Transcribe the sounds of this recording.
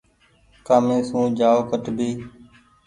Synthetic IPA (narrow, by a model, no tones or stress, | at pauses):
kaːmeːsũːd͡ʒaːoːkəʈbʱiː